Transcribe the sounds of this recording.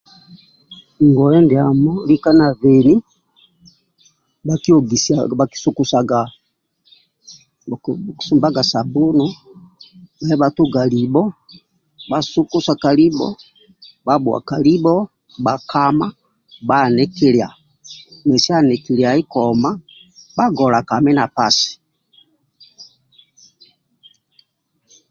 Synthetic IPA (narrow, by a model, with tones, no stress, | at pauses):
ŋɡɔ˨ɛ˦ndi˨a˨mɔ˦li˦ka˦na˨vɛ˨ni˦ | baki˦ɔ˨ɡi˨saa˨ki̥˦su˨ku˨˦sa˨ɡa˨ | ksu˨mba˦ɡa˨sa˨bu˦nɔ˦ | na˨ɛ˦βatu˦ɡa˨li˨bɔ˦ | ba˨su˦ku˦sa˨ka˨li˦bɔ̰˦ | ba˦bwa̰˨ka˨li˦bɔ˦ | ba˨kʰa˦ma˦ | ba˦nɛ˦ki˦lja˨ | nɛ˨si˦a˦nɛ˨ki˨lja˨i˦kɔma˦ | ba˦ɡɔ˨la˨ka˨mɛ˦na˨pa˨si̥˨